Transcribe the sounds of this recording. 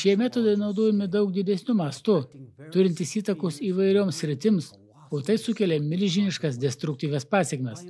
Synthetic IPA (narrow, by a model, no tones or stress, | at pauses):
ʃʲiɛmʲæːt̪oːd̪ɐɪnɒʊd̪oːjɛmʲɪd̪ɐʊk̚d̪ʲɪd̪ʲɛsʲnʲʊmɐst̪ʊt̪ʊɾʲɪnʲt̪ʲɪsiːt̪ɐkoːsiːʋɐɪɾʲoːmsʲsʲɾʲɪt̪ʲɪms | oːt̪ɐɪsʊkʲɛlʲɛmʲɪlʲʒʲɪnʲɪʃkɐsd̪ʲɛst̪ɾʊkt̪ʲiːʋʲɛspɑːsʲɛkmʲɛs